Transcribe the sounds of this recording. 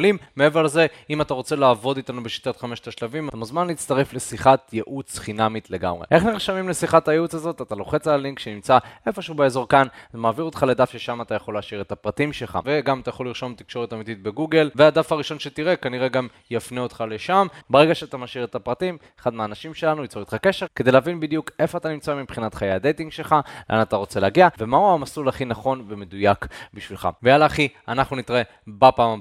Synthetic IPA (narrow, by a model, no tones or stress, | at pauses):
limːee̞ve̞ʁlze̞imat̪aʁo̞t͡se̞laːvo̞d̪it̪anubeʃi̥t̪at̪χameʃt̪aʃlavimat̪amozmanlit͡st̪aʁe̞fle̞siχat̪jeʔut͡sχinamit̪le̞ɡa̰mʁḛʔe̞χniʁʃamimlesiχatajeut͡sazo̞t̪at̪alo̞χe̞t͡salaliŋkʃenimt͡saʔe̞fo̞ʃeubeezo̞ʁkanmaːviʁot̪χale̞d̪afʃe̞ʃamat̪ajaχo̞lːeaʃiʁet̪apʁat̪imʃelχa̰ve̞ɡamat̪ajaχo̞liʁʃo̞mt̪ikʃo̞ʁet̪amit̪it̪̚be̞ɡuɡe̞lvead̪afaʁiʃo̞nʃet̪iʁe̞kaniʁe̞ɡam | jafneot̪χale̞ʃambaʁeɡaʃeat̪amaʃiʁet̪apʁat̪imeχad̪meaːnaʃimʃe̞lanuit͡soot̪χake̞ʃe̞ʁke̞d̪eleavinbid̪juke̞foat̪animt͡saamipχinat̪χajejhad̪e̞jt̪iŋɡʃe̞lχaleʔa̰nat̪aʁo̞t͡se̞leaɡiave̞mauamasulaχinaχo̞nve̞me̞d̪ujakbiʃvilχa̰vejalaːχianaχnunit̪ʁe | bapaːma